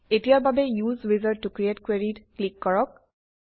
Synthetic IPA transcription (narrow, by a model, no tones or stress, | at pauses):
etijaɹbabɛjuzwizəɹːukɹietkweɹitklikːɔɹɔk̚